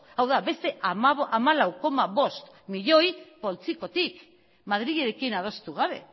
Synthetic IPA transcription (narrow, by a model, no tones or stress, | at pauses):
awðabe̞st̪e̞ʔamaʔamalawko̞maβo̞st̪ | miʎo̞jpo̞lt͡siko̞t̪ik | mað̞ɾiɣeɾe̞kinað̞o̞st̪uɣ̞aβe̞̰